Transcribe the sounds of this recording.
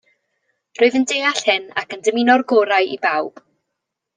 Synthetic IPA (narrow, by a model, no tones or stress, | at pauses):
rʊɨðəndeːaɬhɪna̰kəndəminɔrɡoːɾaɨʔibawb̥